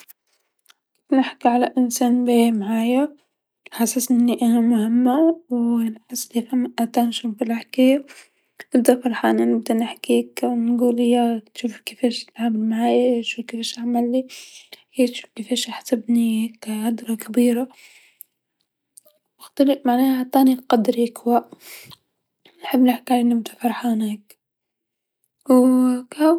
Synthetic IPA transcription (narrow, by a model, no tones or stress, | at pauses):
ki̥fnɪħkiʕalaʔɪnsaːnbemaʕaːja | ħasasʔɪnːiʔanamʊhɪmːawlħɪslifamːʔʔat̪anʃufɪlʔaħkaːja | ʔɪbd̪afɑɾˤħaʔɪnːanɪb̚d̪anɪħkiknnɡuːlɪjat̪ʃuːfkɪfeːʃt̪ʕabɪlmaʕaːjaʃuːfkefeːʃaʕmalːihɪjːt̪ʃuːfkefeːʃʔaħsabnikʕad̪ɾˤɑkabiːɾa | ɪxt̪alɪfmaʕnaːat̪ˤːɑːniqɑd̪ɾikwaʔ | nħɪbːnɪħkʕalʔɪnːimt̪afɑɾˤħahneːk | wka